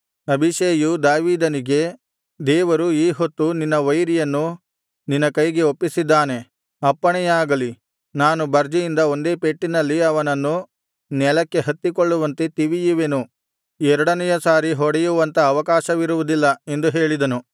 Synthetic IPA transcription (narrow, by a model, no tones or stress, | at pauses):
ɐbʱiʃeːjud̪aːʋiːd̪ɐniɡe̞ | d̪ɛːʋɐɾuiːɦot̪ːuninːɐʋɐjɾijɐnːu | ninːɐkɐjɡe̞opːisid̪ːaːne̞ | ɐpːɐɳɛjaːɡɐli | naːnubɐɾd͡ʒɐjind̪ɐo̞nd̪e̞ːpeʈːinɐlːiɐʋɐnɐnːu | nɛlɐkːe̞ɦɐt̪ːikoɭːuʋɐnt̪et̪iʋijuʋenu | ɛɾɐɽɐnɛjɐsaːɾiɦɔɽɛjuʋɐnt̪ɐːʋɐkaːʃɐʋiɾuʋud̪ilːɐe̞nd̪uɦe̞ːɭid̪ɐnu